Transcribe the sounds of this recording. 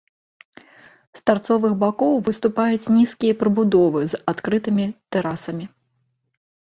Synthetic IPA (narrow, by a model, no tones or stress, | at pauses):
st̪art̪sɔvɨxbakɔwvɨst̪upajut͡sʲnʲiskʲijɐpɾɨbud̪ɔvɨzat̪kɾɨt̪ɨmʲit̪ɛɾasɐmʲi